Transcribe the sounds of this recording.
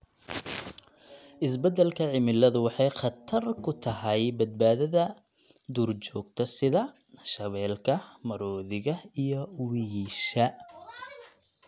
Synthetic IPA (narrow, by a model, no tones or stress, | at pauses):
ʔɪs̬bɛd̪ɛlkʰɐʕɪmɪlːɐðʊwɑħɑjχɑt̪ʰɐrkʰʊt̪ʰɐɦɛjbɐd̪̚baːðɐðɐ | d̪uːrt͡ʃɔːɡ̚t̪ʰɐsɪðɐ | ʃɐβɛːlkʰɐmɐɾɔːðɪɣɐijɔwiʃɐ